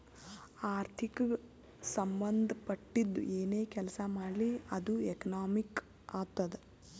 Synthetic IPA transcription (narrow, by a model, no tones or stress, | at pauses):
aːɾt̪ʰikɐ | sɐmbɐnd̪ʱɐpɐʈːid̪ːṵʔeːne̞ːkɛlɐsɐmaːɽliɐd̪uekɐnaːmik | aːɡ̚t̪ɐd̪e